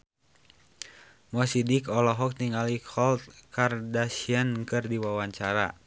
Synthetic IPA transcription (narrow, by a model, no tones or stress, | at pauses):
mɔsidikɔlɔɦɔk̚t̪iŋalikʰɔlt̪̚kardasiankɨrdiwawaɲt͡ʃaɾa̰